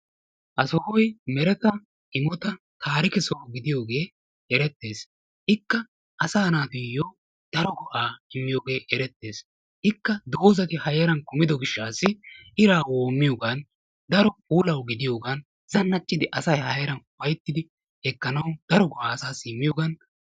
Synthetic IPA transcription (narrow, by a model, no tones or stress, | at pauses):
ʔɐsɔhɔjmɛɾɛt̪ɐ | ɪmɔt̪ɐ | t̪ʰaːɾɪkɛsoɡɪd̪ɪjo̞ːɡe̞ː | ɛɾɛt̪ːe̞ːs | ʔɪkːɐ | ɐsaːnaːt̪ʊjo | d̪̥ɐɾɔɡɔʔaːɪmːɪjoːɡe̞ːʔɛɾɛt̪ːe̞ːs | ʔɪkːɐd̪o̞ːzɐt̪ɪhɐjɛɾɐnkʊmɪd̪ɔɡɪʃːaːsːɪɪɾaːwoːmːɪjoːɡɐn | d̪ɐɾɔpuːlɐwɡɪd̪ɪjo̞ːɡɐn | zɐnːɐt͡ʃʼːɪd̪ɪʔɐsɐjhɐjɐɾɐnwɐjt̪ːɪd̪ɪ | hɛkːɐnɐwd̪̥ɐɾɔɡɔʔaːsaːsːmːɪjoːɡɐn